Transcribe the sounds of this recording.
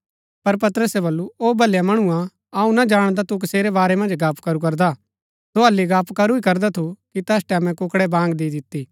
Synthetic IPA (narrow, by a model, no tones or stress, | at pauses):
pɐɾp̬ɐt̪əɾəsɛbɐlːuoːbʱɐljamɐɽ̃uã | aːũnad͡ʒaːɽ̃d̪at̪uk̬ɪseːɾɛbaːɾɛmɐ̃nd͡ʒɡaːpkɐɾuk̬ɐɾd̪a | t̪oɐlːiɡaːpkɐɾuikɐɾd̪at̪ʰukit̪ɛːsʈɛːmɛ̃kʊkɽɛbãːŋɡd̪iːd̪ɪt̪ːiː